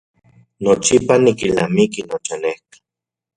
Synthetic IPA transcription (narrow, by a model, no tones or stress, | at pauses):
not͡ʃipanikilnamikinot͡ʃanehki̥